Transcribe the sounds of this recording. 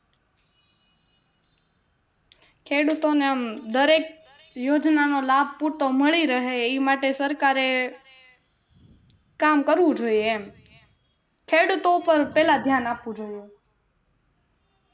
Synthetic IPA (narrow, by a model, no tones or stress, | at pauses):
kʰeɽut̪oneəmd̪əɾek̚ | jod͡ʒnanolab̚ʱpuɾt̪oməɭiɾəɦeimaʈesəɾkaɾe | kamkəɾʋũd͡ʒoieem | kʰeɽut̪opəɾpɛlad̪ʱjanapʋũd͡ʒoju